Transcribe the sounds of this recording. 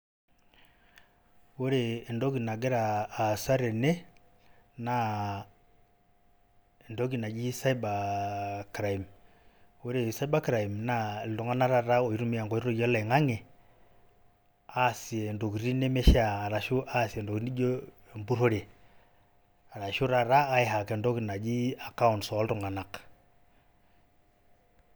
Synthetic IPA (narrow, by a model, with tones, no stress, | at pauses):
wo˦ɾeː˨ndɔ˦ki˨na˨ɡe˦ɾaː˨sa˦ɾe˨ne˦ | na˨ | ɛ˨ndɔ˦ɡi˨na˨ɡi˦sa˦i˦ba˨kɾa˨i˨m | wo˦ɾe˨sa˦i˦ba˦kɾa˨i˨mna˦˨ldo˨ŋa˦na˦ɾa˨ɾa˦o˨i˦ɾu˦mi˦a˨ŋɡɔ˨i˦ɾo˦jɔ˦la˨ŋa˦ŋe˨ | a˦si˨ɛ˨ndo˨ki˨ɾi˦ne˦mɛ˦ʃaː˨ɾa˨ʃu˦ʔa˦si˨ɛ˨ndo˨kni˦d͡ʒo˦˨ | mbu˦ɾo˦ɾe˨ | a˨ɾa˨ʃu˦ɾa˨ɾa˦a˦ɪ˨ɦa˨kɛ˨ndɔ˦ki˨na˨d͡ʒi˦a˨ka˦ʊ˨nsɔ˨˦ltu˨ŋa˨na˨k